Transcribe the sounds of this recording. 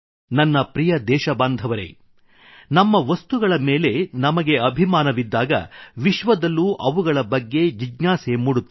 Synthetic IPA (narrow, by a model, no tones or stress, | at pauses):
nɐnːɐpɾijɐd̪ɛːʃɐbaːnd̪ʱɐʋɐɾḛ | nɐmːɐʋɐst̪uɡɐɭɐmeːle̞nɐmɐɡe̞ɐbʱimaːnɐʋid̪ːaːɡɐ̰ʋiʃʋɐd̪ɐlːuːʔɐʋuɡɐɭɐbɐɡːe̞d͡ʒiɡɲaːsemuɽut̪ː